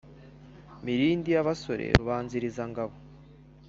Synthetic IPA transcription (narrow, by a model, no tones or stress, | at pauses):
miɾiːndijaβaso̞ɾḛɾuβaːnziɾizaŋɡaβo